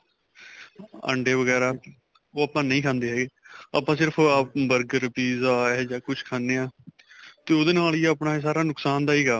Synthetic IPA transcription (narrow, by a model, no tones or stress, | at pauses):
ə̰ɳɖeːʋəɡɛːɾaː | oːaːpãːnəĩːkʰãːnd̪eːɦɛːɡeːa̰ːpːãːsɪɾpʰaːbəɾɡɾpiːzaːɛd͡ʒaːkʊt͡ʃʰkʰaːnːeːaː | t̪eːoːd̪eːnaːliːaːpɳaːeːs̬aːɾaːnʊksaːnd̪aːiːɡaː